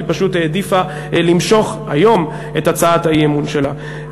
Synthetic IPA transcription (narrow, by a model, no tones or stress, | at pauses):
ipaʃuteːdifa | limʃo̞χajo̞m | etat͡saathajemunʃela